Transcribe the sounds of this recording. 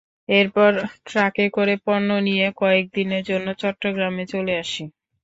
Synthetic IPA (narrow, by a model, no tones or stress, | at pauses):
eɾpɔɾʈɾakekoɾepɔɾnonijekɔek̚d̪ineɾd͡ʑonːot͡ɕɔʈːoɡɾamet͡ɕoleaʃi